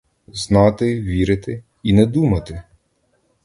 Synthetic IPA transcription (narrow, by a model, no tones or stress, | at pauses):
znɑt̪ɪʋʲiɾɪt̪ɪ | inɛd̪umɐt̪ɪ